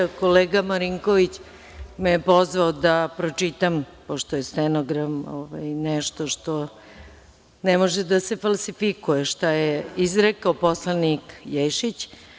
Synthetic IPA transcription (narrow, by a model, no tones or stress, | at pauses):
koleːɡamaɾiŋkoʋit͡ɕ | mejepo̞zʋaod̪apɾot͡ʃit̪am | poʃt̪ojesɛnoɡɾamo̰ʋajnɛʃt̪o̞ʃt̪o | nemoʒed̪ase̞falˠsifikujeʃt̪ajeizɾekaoposlanikjejʃit͡ɕ